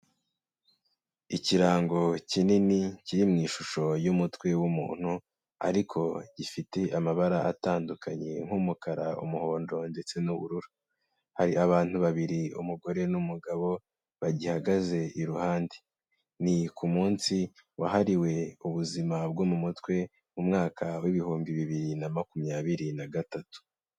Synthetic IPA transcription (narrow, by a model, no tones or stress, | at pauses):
iciɾaːŋɡo̞cininiciɾimŋiːʃuʃo̞jumutwe̞wumṵːn̥hu | a̰ɾikʰo̞ɟ̥ifite̞ʔamaβaɾaʔataːndukaɲe̞̰ŋ̥humukaɾaṵmuhoːndo̞nde̞t͡se̞nuβṵɾuɾu | haɾiaβaːn̥huβaβiɾiṵmuɡo̞ɾe̞numuɡaβo̞ | βaɟihaɡaze̞iɾuhaːnde | nikumuːnsiwa̰haɾiwe̞uβuzimabɡomumutwe̞ | mumŋaːkʰawiβihuːmbiβiβiɾinamakumjaːβiɾinaɡatatu̥